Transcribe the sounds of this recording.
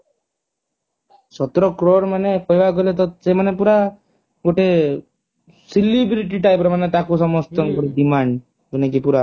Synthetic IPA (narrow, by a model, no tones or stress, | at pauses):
sɔt̪ɾɔkɾɔɽmanekɔibakɔlet̪ɔsemanepuɾa | ɡoʈe | silibɾiʈ̬iʈajpɾmanet̪akusɔmɔst̪ɔŋɡɔɾiɖimaɳɖ | ɡɔnekipuɾa